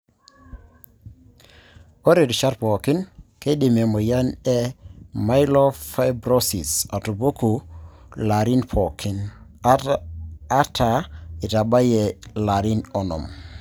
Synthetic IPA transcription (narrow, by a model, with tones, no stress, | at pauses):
ko˦ɾe˨dʃa˦ɾpo˨ki˦nke˦ɗi˨me˨mo˨ja˦ne˦ma˦jlo˦fa˦bɾo˦si˨sa˨tu˨bo˦ku˨ | la˨ɾi˦npʰo˨kʰi˨n˦ | ta˨i˨ta˨ba˦je˨la˨ɾi˦nɔ˨nɔ̰˨m